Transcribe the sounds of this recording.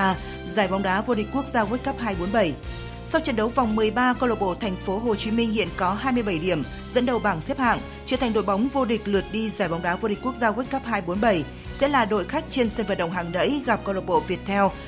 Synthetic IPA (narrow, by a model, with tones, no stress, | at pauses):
zaː˨˧˩jva˨˦wŋ͡mɗaː˨˦vo˧ɗï˨˩k̟̚ku˦˥ək̚zaː˧kwe˦˥t̚kə˦˥p̚ɦaː˧jɓo˨˦nɓə˧˩j | sa˧wt͡ɕə̰˧˨nɗə˨˦wva˨˩wŋ͡mmɨ˨˩əjɓaː˧kə˧lo˨˩t̚ɓo̰˧˨t̪ʰɛ˨˩jŋ̟fo˨˦ɦo˨˩t͡ɕi˨˦mï˧ŋ̟hḭ˧˨ənkɔ˨˦ɦaː˧jmɨ˧jɓə˧˩jɗi˧˩əm | zə̰˧˥nɗə˨˩wɓaː˧˩ŋsi˦˥əp̚ha̰ː˧˨ŋ | t͡ɕi˨˧˩t̪ʰŋ̟ɗo̰˧˨jɓa˨˦wŋ͡mvo˧ɗï˨˩k̟̚lɨ˨˩ət̚ɗi˧zaː˨˩jva˨˦wŋ͡mɗaː˨˦vo˧ɗi˨˩k̟ku˦˥k̚zaː˧kwe˦˥t̚kə˦˥p̚haː˧jɓo˨˦nɓə˧˩j | sɛ̰˧˥laː˨˩ɗo̰˧˨jxa˦˥jk̟̚t͡ɕe˧nsə˧nvə̰ː˨˩n̚ɗə̰˧˨wŋ͡mɦaː˨˩ŋnə̰˧˥jɣa˨˩p̚kə˧wlo˨˩t̚ɓo̰˧˨vi˨˩ət̚t̪ʰɛ˧w